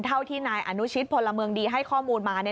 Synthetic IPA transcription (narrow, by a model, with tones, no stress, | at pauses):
nt̪ʰa˥˩wt̪ʰiː˥˩naː˧jʔa˧nu˦˥t͡ɕʰi˦˥t̪̚pʰo˧lːa˧mɯ˧əŋdiː˧ɦa˥˩jkʰɔː˥˩muː˧nmaː˧na˦˥